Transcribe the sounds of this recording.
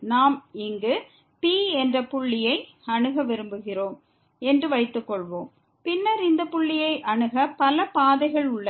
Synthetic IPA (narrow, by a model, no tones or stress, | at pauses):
naːmɪŋɡɯ | piːɛndrɐpʊɭːɪjɐɪ | ɐɳɯɣɐʋɪɾɯmbɯɣɪroːm | ɛndrɯʋɐɪt̪ːɯkːɔɭʋoːm | pɪnːɐɾɪnd̪ɐpʊɭːɪjɐɪʔɐɳɯɣɐpɐlɐpaːðɐɪɣɐɭʊɭːɐ